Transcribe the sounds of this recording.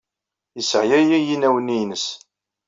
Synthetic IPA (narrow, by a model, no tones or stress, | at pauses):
jəsʕjæjæjinæwəninəs